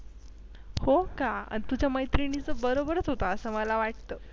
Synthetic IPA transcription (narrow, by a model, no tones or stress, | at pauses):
hokaə̰nt̪ud͡ʑjaməjt̪ɾinit͡səbəɾobəɾət͡sɦot̪aəsəːməlaʋaʈ̚t̪əː